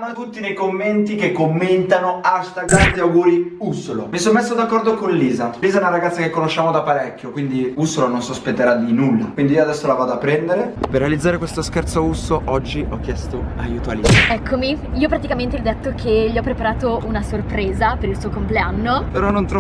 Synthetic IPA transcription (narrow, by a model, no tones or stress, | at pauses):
anat̪ut̪ːinejkomːent̪ikekːomːent̪anoaʃt̪aɡɾamd̪awɡuːɾiusːolo̰misonmesːod̪akːɔrd̪okonliːzaliːzaɛnaɾaɡat̪sakekːonoʃːaːmod̪apːaɾɛkʲːjokwind̪iusːolononsospet̪ːeɾad̪inulːa̰kwind̪iioad̪ɛsːolavaːd̪oapːɾɛnd̪eɾeperːealid̪zːaɾekwest̪oskɛrt̪sousːoʔɔd͡ʒːiʔɔkːjɛst̪oa̰juːt̪oalḭzɛkʰːomiiːopɾat̪ikament̪̬elɔd̪ɛt̪ːokʰeʎːiɔpːɾepaɾaːt̪ounasorpɾeːzapeɾilsuːokompleanːopeɾɔnont̪ɾɔ